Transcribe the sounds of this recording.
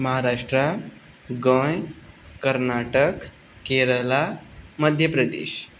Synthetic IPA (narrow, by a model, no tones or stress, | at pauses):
məɦaɾaʂʈɾa | ɡə̃jkəɾnaʈək | keɾəlaməd̪ʱjəpɾəd̪ḛɕ